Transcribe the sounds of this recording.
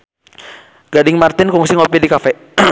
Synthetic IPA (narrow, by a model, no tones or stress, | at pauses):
ɡ̥adɪŋmart̪ɪnkuŋsiŋɔpidikafɛ